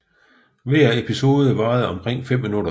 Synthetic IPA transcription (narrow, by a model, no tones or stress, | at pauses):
ʋæɐ̰e̝pʰiso̝ːðˠəʋɑ̈ːð̞̩ˠɒ̽mkʰʁeŋ̰fem̰ːinuɾɐ